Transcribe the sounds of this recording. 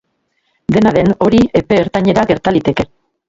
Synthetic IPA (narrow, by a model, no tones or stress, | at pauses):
d̪e̞naðe̞no̞ɾie̞pe̞ːɾt̪aɲe̞ɾaɣe̞ɾt̪alit̪e̞ke̞